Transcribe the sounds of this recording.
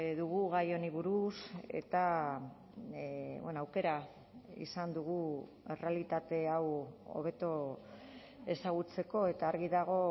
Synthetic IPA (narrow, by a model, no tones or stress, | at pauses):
ðuɣuɣajo̞niβuɾuse̞̰t̪a | βenoawke̞ɾa | ḭsand̪uɣu | e̞re̞alit̪at̪e̞awo̰β̞e̞t̪o̞ | e̞saɣ̞ut͡se̞ko̞e̞t̪aːɾɣiðaɣ̞o̞